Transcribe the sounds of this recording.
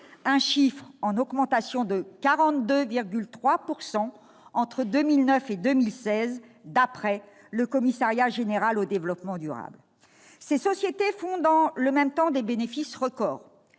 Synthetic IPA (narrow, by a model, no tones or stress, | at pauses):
ɛ̃ʃifχɑ̃nɔɡmɑ̃t̪asjɔ̃d̪əkaʁɑ̃t̪d̪øviʁɡʲylt̪χwapuʁsɑ̃ | ɑ̃t̪χəd̪ømilnœfed̪ømilsɛz | d̪apχɛ | ləkɔmisaʁjaʒeneʁalod̪evlɔpmɑ̃d̪yʁa̰bl | sesɔsjet̪efɔ̃d̪ɑ̃ləmɛmt̪ɑ̃d̪ebenefisʁəkɔːʁ